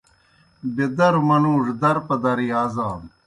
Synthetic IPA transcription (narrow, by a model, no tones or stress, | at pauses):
bed̪ɐɾumɐnuːʐd̪ɐɾpɐd̪ɐɾiaːzaːn